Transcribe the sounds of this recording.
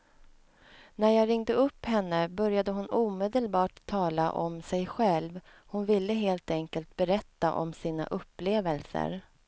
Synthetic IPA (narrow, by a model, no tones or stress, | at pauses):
næɾjɑːɾɪŋd̪əɵpːhɛnːəbœɾjad̪əɦʊnuːmeːd̪əlbɑːʈ̪ʰːɑːla̰ʔɔmsɛjɧɛlv | hʊnvɪlːəɦeːlt̪ɛŋkəlt̪̚bɛɾɛt̪ːaʔɔ̰msiːna̰ʔɵpːleːvəlsə̰ɾ